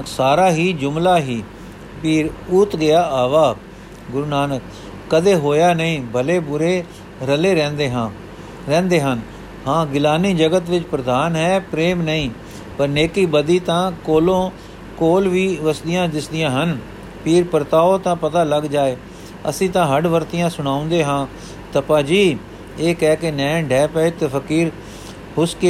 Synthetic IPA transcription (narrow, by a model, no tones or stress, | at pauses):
ksaːɾaːɦiːd͡ʒʊmlaːɦiː | piːɾʊt̪ɡɪjaːʔaːʋaː | ɡʊɾuːnaːnəkː | əd̪eːɦoːjaːnəĩːbʱəleːbʊɾeː | ɾəleːɾɛ̃ːnd̪eːɦã | ɛ̃ːnd̪eːɦən | hãːɡɪlaːniːd͡ʒəɡət̪ʋɪt͡ʃpɾəd̪aːnɦɛːpɾeːmnəĩː | pəɾneːkiːbəd̪iːt̪ãːkoːlõː | koːlʋiːʋəsd̪ɪjãːd̪ɪsd̪ɪjãːɦən | pʰiːɾpəɾt̪aːoːt̪ãːpət̪aːləɡd͡ʒaːeː | ə̰sĩːt̪ãːɦəɖʋəɾt̪ɪjãːsʊɽ̃aːʊ̃nd̪eːɦãː | t̪əpaːd͡ʒiː | eːkɛːkenɛ̃ːɖɛːpəet̪epʰəkiːɾ | hʊske